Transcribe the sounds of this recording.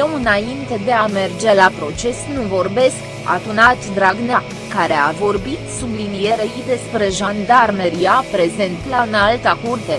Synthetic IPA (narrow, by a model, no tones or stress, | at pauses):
jewɨnaint̪ed̪e̞ame̞rd͡ʒe̞lapɾo̞t͡ʃe̞snuvo̞rbe̞sk | a̰d̪unat̪d̪ɾaɡna | kaɾe̞avo̞rbit̪sublinije̞ɾeid̪e̞spɾe̞ʒand̪armeɾiapɾe̞ze̞nt̪laɨnalt̪akurt̪e̞